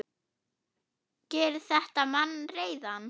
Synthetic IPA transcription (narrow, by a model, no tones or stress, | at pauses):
cɛːɾθɛht̪amanːreːjðan